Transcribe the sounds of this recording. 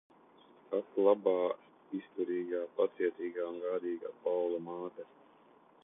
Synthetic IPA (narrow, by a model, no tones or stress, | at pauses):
kak̪lˠabɑː | ist̪uɾiːɡaːpat̪siɛt̪siːɡaːunɡaːd̪iːɡaːpawlˠamaːt̪ɛ